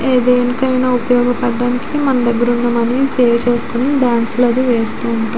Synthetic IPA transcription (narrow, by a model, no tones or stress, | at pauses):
eːd̪eːnikɐjnaːupɐjɔːɡɐpɐɖːaːnikimɐnɐmd̪ɐɡːɐɾuɳːɐmɐniseːʋt͡ʃe̞ːsu̥konibaːnsulɐd̪iʋeːst̪uuɳʈu